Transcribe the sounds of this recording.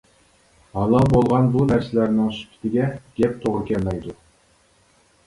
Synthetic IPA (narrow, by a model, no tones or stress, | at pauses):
hɑlˠɑlˠbolˠʁɑnbunæɾsɪlæɾnɪŋsy̥pʲʰɪ̥t̪ʰɪɡʲɛɡ̥ʲɛp̚t̪ʰoʁɾɨkʲɛlmɛjd̪u